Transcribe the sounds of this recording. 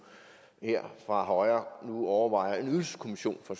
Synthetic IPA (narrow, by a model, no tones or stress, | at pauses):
heɐ̰fʁɑ̈ɦɒɪɐnuɒʊɐʋɑ̈ɪ̰ɐe̝nyðˠskʰo̝miɕo̝̰ːnfɒ̽s